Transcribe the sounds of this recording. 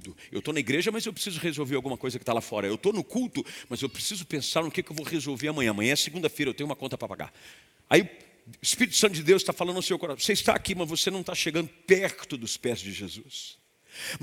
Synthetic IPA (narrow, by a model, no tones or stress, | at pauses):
d̪ʊḛwt̪onɐiɡɾeʒɐmɐzewpɾɪ̥sizʊʁezowveɾawɡũmɐkojzɐkɪt̪alafɔɾɐewt̪onʊkuwt̪ʊmɐzewpɾesizʊpẽsaɾnʊkekɪewvowʁezowveɾɐmɐ̃ɲɐ̃ɐmɐ̃jɲɐ̃seɡũd̪ɐfejɾɐewt̪ẽɲ̃umɐkõt̪ɐpɾɐpa̰ɡa̰ɾ | a̰iʊ | ispiɾit̪ʊ̥sɐ̃t̪ʊd͡ʒɪd̪ewst̪afalɐ̃d̪̃seewkoɾavoseɪst̪a̰akimɐzvosenɐ̃w̃t̪aʃeɡɐ̃nd̪ʊpɛɾt̪ʊd̪ʊspɛzd͡ʒɪʒezus